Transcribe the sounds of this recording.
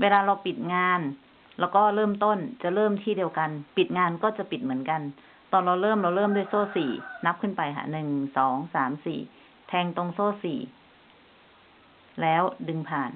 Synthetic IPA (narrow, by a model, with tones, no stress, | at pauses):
wʔeː˧laː˧ɾa˧wpi˨˩t̪̚ŋaː˧n | lɛː˦˥wkɔː˥˩lɤː˥˩mt̪o˥˩nt͡ɕa˨˩lɤː˥˩mt̪ʰiː˥˩diː˧wka˧npi˨˩t̪̚ŋaː˧nkɔː˥˩t͡ɕa˨˩pi˨˩t̪̚mɯ˩˦ənka˧n | t̪ɔː˧nla˧wlɤː˥˩˨mla˧wlɤː˥˩˨mdu˥˩əjsoː˥˩siː˨˩na˦˥p̚kʰɯ˥˩npa˧jhʰa̰˧˩nɯ˨˩ŋsɔː˩˦ŋsaː˩˦msḭː˨˩ | t̪ʰɛː˧ŋt̪o˧ŋsoː˥˩sḭː˨˩ | lɛː˦˥wdɯ˧ŋpʰaː˨˩n